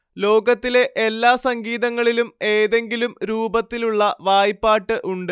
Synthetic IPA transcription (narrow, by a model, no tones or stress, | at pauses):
lo̞ːɡɐt̪ːile̞ʔelːaːsɐŋɡiːðɐŋːɐɭilume̞ːðe̞ŋɡilumɾuːbɐt̪ːiluɭːɐʋaːjipːaːʈːɨʔuɳɖɨ